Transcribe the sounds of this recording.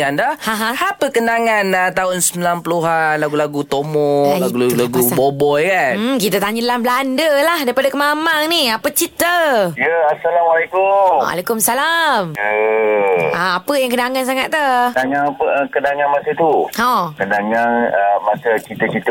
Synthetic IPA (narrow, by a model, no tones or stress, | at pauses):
andahãɦãhapəkənaŋanat̪aɦʊnsəmilanpəluɦanlaɡulaɡut̪omɔlaɡulaulaɡubobɔjkan̩kit̪at̪aɲədalamblandəlahdaɾipadakəmamaŋniapət͡ʃit̪əjəasalamalekʊmwa̰lekʊmsalamə | aːpəjaŋkənaŋans̬aŋat̪̚tənaŋaŋpəkənaŋanmasət̪uhokənaŋanəmasət͡ʃit̪ət͡ʃit̪ə